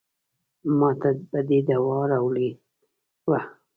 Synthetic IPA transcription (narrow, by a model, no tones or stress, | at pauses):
mɑt̪abəd̪ed̪awɑɾɑwli | wa